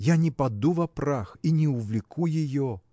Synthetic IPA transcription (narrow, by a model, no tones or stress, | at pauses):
janʲɛpad̪uvɐpɾaxinʲɛuvlʲɪkʰujɪjɔ